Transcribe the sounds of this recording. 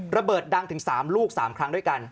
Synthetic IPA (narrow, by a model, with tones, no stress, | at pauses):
ɾa˧bɤː˨˩t̪̚da˧ŋt̪ʰɯ˩˦ŋsaː˩˦mluː˥˩k̚saː˩˦mkʰɾa˦˥ŋdu˥˩jka˧n